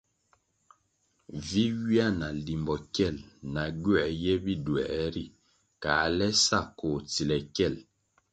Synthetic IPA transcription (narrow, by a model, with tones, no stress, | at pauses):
vi˦wi˦a˦˨na˨li˨mbɔ˨kɛ˦˨lna˨ɡɛ˨jɛ˦bi˦˨dwɛ̰˨ʔɾi˦˨ | kaː˨˦lɛ˦sa˦˨ko˨t͡si˨lɛ˨kɛ˦˨l